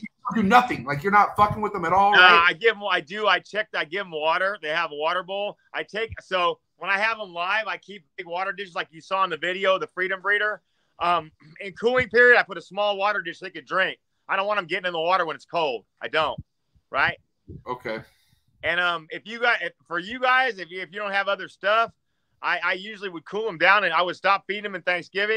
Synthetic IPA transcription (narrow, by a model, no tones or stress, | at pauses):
dɨnʌθɪ̃ŋlaɪk̬jə˞nətfʌkɪ̃ŋwəðə̃mɨɾɔlˠʌaɪɡɪvaɪdɨaɪt͡ʃʰɛk̚ðaɪɡɪvmwɔɾə˞ðeɪəvəwɔɾə˞bolˠ | ʔaɪtʰeɪksoʊ | wə̃ñaɪɨvə̃nlaɪvaɪkʰip̚bɪɡwɔɾə˞dɪʃzlaɪkjɨsɔə̃nðɨvɪɾioʊðəfɹiɾɨ̃mɹiɾə˞ | ʔʌ̃mɪ̃nkʰulˠɪ̃ŋpɪɹiɨɾaɪpʊɾɨsmɔlˠwɔɾə˞dɪʃleɪkɨdɹɪ̃ŋk̚ | aɪɾõʊ̃nwɑñãɪ̃ŋɡɛɾɪ̃ŋɨ̃nðəwɔɾə˞wə̃nɨtskʰoʊlˠd̥ʔaɪdõʊ̃nt̚ | ɹaɪt̚ | oʊkʰeɪ | ɨ̃nʌ̃mɪfjɨɡaɪɪfə˞jɨɡaɪzɨfːfjɨdõʊ̃nt̚hɨvʌðə˞stʌf | ʔaɪaɪjʉʒl̩ˠiwɨd̚kʰulˠə̃mdãʊ̃nɨ̃naɪwɨd̥stɑp̚fiɾɪ̃ŋɨ̃mɨ̃nθæ̃ŋksɡ̥ɪvɪ̃